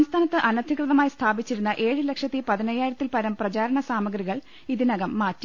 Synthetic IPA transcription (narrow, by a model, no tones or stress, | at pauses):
ɐmst̪ʰaːnɐt̪ːɨʔɐnɐd̪ʱikrɨðɐmaːjst̪ʰaːbit͡ɕːiɾunːɐʔe̞ːɻɨle̞kʂɐt̪ːipɐðinɐjaːjiɾɐt̪ːilpɐɾɐmprɐd͡ʑaːɾɐɳɐsaːmɐɡɾiɣɐɭ | iðinɐɣɐmːaːtːi